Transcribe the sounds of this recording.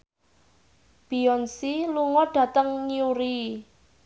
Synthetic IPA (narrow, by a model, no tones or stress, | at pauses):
b̥i̤ɔnsiluŋɔɖ̥ä̤t̪əŋɲiuɾi